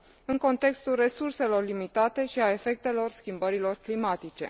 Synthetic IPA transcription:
ɨŋko̞nt̪e̞kst̪ulre̞surse̞lo̞rlimit̪at̪e̞ʃiae̞fe̞k̚t̪e̞lo̞rskʲimbəɾilo̞rklimat̪it͡ʃe̞̰

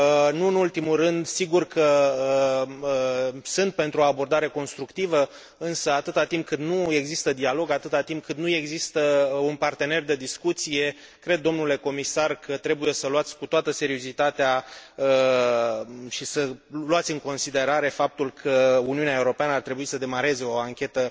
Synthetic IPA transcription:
nuɨnult̪imulrɨnd̪siɡurkʰəəəəsɨnt̪̚pe̞nt̪ɾuo̞abo̞rd̪aɾe̞ko̞nst̪ɾukt̪ivə | ɨnsəat̪ɨt̪at̪imp̚kɨnnue̞ɡzist̪əd̪ialo̞ɡat̪ɨt̪at̪imp̚kɨnnue̞ɡzist̪əunpart̪e̞ne̞rd̪e̞d̪iskut̪sije̞ | kɾe̞d̪̚ːo̞mnule̞ko̞misarkʰət̪ɾe̞buje̞səluat̪sʲkut̪oat̪əse̞ɾio̞zit̪at̪eaə | ʃisəluat̪sʲɨŋko̞nsid̪e̞ɾaɾe̞fap̚t̪ulkʰəuniuneaeuɾo̞peanəart̪ɾebuisəd̪e̞maɾe̞ze̞o̞aŋkʲe̞t̪ə

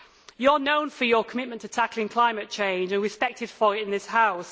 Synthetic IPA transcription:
jənõʊ̃nfəjəkʰəmɪtmə̃ntʰətʰakəlˠɪ̃ŋkʰl̥aɪ̃mət̚t͡ʃʰẽɪ̃nd͡ʒə̃nɹɪspɛk̚tʰɪd̥fəɹɪtɪ̃nðɪshaʊs

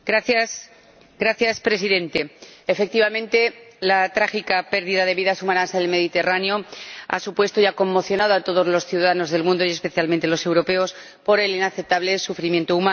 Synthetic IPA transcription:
ɾaθjas | ɡɾaθjaspɾe̞siðe̞nt̪e̞ːfe̞k̚t̪iβamẽ̞nt̪e̞lat̪ɾaxikape̞ɾðiðaðe̞βiðasumanansaðelme̞ðit̪e̞raneo̞a̰supwe̞st̪o̞jako̞mːo̞θjo̞nað̞oat̪o̞ð̞o̞zlo̞sθjuðaðano̞zðe̞lmũnd̪o̞je̞spe̞θjalmẽnt̪e̞lo̞se̞wɾo̞pe̞o̞s | po̞ɾe̞linaθep̚t̪aβle̞sufɾimje̞nt̪ouma

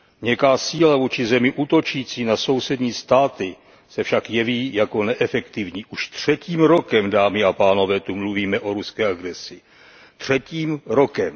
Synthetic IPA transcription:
ɲɛkaːsiːlavuːt͡ʃɪzɛmɪʔuːt̪o̞t͡ʃiːt͡siːnaso̞wsɛdɲiːst̪aːt̪ɪ | sɛfʃakjɛviːjako̞nɛʔɛfɛkt̪ɪvɲiːʔuʃt̪r̝̥ɛciːmɾo̞kɛmdaːmɪapaːno̞vɛːt̪umluviːmɛʔo̞ɾuskɛːaɡɾɛsɪ | t̪r̝̥ɛciːmɾo̞kɛm

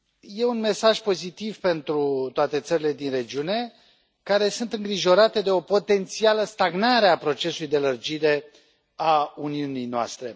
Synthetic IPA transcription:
je̞unme̞saʒpo̞zit̪ivpe̞nt̪ɾut̪oat̪e̞t̪səɾile̞d̪inre̞d͡ʒiune̞ | kaɾe̞sunt̪ɨŋɡɾiʒo̞ɾat̪e̞d̪e̞o̞po̞t̪e̞nt̪sialəst̪aɡnaɾeapɾo̞t͡ʃe̞sulujd̪elərd͡ʒiɾe̞ | auniunijnoa̰st̪ɾe̞

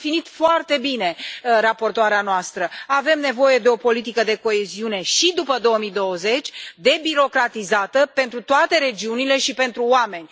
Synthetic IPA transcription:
finit̪foart̪e̞bine̞rapo̞rt̪oaɾeanoast̪ɾəave̞mne̞vo̞je̞d̪e̞o̞po̞lit̪ikəd̪e̞ko̞e̞ziune̞ʃid̪upəd̪o̞wəmid̪o̞wəze̞t͡ʃʲd̪e̞biɾo̞kɾat̪izat̪əpe̞nt̪ɾut̪oat̪e̞ɾe̞d͡ʒiunile̞ʃipe̞nt̪ɾuoame̞nʲ

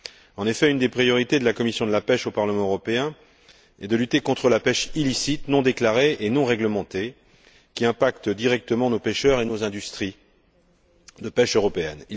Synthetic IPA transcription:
ɑ̃nefɛynd̪epχijɔʁit̪ed̪əlakɔmisjɔ̃d̪əlapɛʃopaʁləmɑ̃øʁɔpeɛ̃ | ɛ̰d̪əlyt̪ekɔ̃t̪χəlapɛʃilisit̪nɔ̃d̪eklaʁeːnɔ̃ʁɛɡləmɑ̃t̪e | kʲiɛ̃pakt̪əd̪iʁɛk̚t̪əmɑ̃nopeʃœʁenozɛ̃d̪yst̪χi | d̪əpɛʃøʁɔpeɛ̰ni

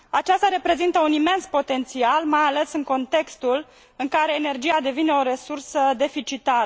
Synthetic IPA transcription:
at͡ʃast̪aɾe̞pɾe̞zint̪əunime̞nspo̞t̪e̞nt̪sialmajale̞sɨŋko̞nt̪e̞kst̪ul | ɨŋkaɾe̞ːne̞rd͡ʒijad̪e̞vine̞o̞ɾe̞sursəd̪e̞fit͡ʃit̪aɾə

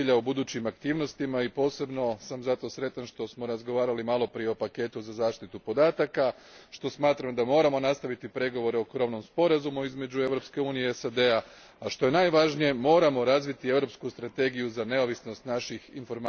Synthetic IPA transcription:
iʎaubud̪uːt͡ɕimakt̪iːʋno̞st̪imaipo̞ːse̞bno̞samzat̪o̞sɾe̞t̪anʃt̪o̞smo̞ɾazɡo̞ʋaːɾalimalˠo̞pɾijeo̞pake̞t̪uzazaːʃt̪it̪upo̞d̪aːt̪aka | ʃt̪o̞smaːt̪ɾamd̪amo̞ːɾamo̞nast̪aʋit̪ipɾe̞ɡo̞ʋo̞ɾeokɾo̞ʋno̞mspo̞ɾazumuizme̞d͡ʑue̞ʋɾo̞pske̞uːnijeesad̪e̞a | aʃt̪o̞je̞najʋaʒnije̞mo̞ːɾamo̞ɾazʋit̪ie̞ʋɾo̞pskust̪ɾat̪e̞ɡijuzane̞o̞ʋisno̞st̪naʃixinfo̞ɾm

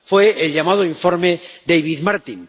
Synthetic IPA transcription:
fweelʎamað̞oiɱfoɾmeðejβiðmaɾt̪iŋ

